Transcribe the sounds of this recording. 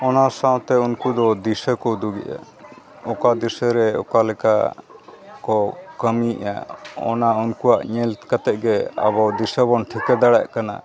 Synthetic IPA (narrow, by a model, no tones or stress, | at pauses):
ɔnasãw̃t̪ɛunkud̪ɔd̪isəkɔd̪uɡɛ̰ʔa̰ | ɔkad̪isəɾɛɔ̰kalɛka | kɔkəmiʔa̰ɔ̰naunkuaʔɲɛlkat̪ɛʔ̚ɡɛa̰βɔd̪isəbɔnʈʰikɛd̪aɽa̰ʔkana̰